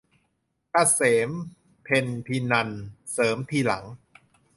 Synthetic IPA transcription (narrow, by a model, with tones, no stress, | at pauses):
kaː˧˩seː˩˦m | pʰe˧np̪ʰiː˧na˧nsɤː˩˦mt̪ʰiː˧˩la̰˩˦ŋ